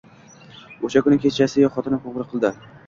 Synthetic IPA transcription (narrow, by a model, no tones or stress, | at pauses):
oʃakʊnɪkʲʰet͡ʃʰasɪjɒχɒt̪ʰɪnɪqoʁɾɨqʰɨlˠd̪ɪ